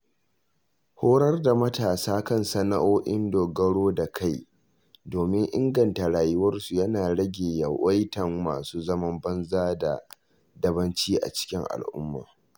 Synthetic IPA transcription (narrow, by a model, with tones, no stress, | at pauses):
hoː˦ɽɐ˦rda˨mɐ˦taː˨saː˦kɐ˦˨nsɐ˦na̰˦ʔoː˦ʔɪ˦ndoː˨ɡɐ˦ɽoː˦da˨kʰa˦˨j | doː˨mɪ˦ŋʔɪ˦ŋɡɐ˨nta˨ɽaː˨jɪ˦wɐ˦rsu˨jɐ˦naː˨ɽɐ˦ɡʲeː˨ja˨wɐ˦jtɐ˨ŋma̰ː˨suː˦zɐ˦mɐ˦mbɐ˦nzaː˦da̰˨ | dɐ˦bɐ˦nt͡ʃiː˦ʔa̰˨t͡ʃɪ̥˦kʲɪ˦ŋʔa̰˨lʔʊ̰˦mːa̰ː˨